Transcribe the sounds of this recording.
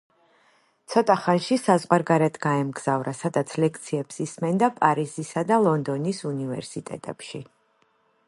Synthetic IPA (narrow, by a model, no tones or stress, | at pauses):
t̪sʰɔt̪ʼaχanʃisazʁwaɾɡaɾɛt̪ʰɡaɛmɡz̥avɾasad̪at̪sʰlɛkʰt̪sʰiɛpsismɛnd̪apʼaɾizisad̪alˠɔnd̪ɔnisunivɛ̰ɾsit̪ʼɛ̰t̪ʼɛ̰pʃi